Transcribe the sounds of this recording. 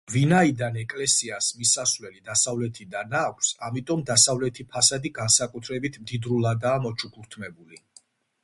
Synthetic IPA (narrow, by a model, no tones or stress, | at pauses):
vinaid̪anɛkʼlɛsiasmisasvlɛlid̪asavlɛt̪ʰid̪anakʷʰsamit̪ʼɔmd̪asavlɛt̪ʰipʰasad̪iɡansakʼut̪ʰɾɛbit̪ʰmd̪id̪ɾulˠad̪aːmɔt͡ʃʰukʰuɾt̪ʰmɛbuli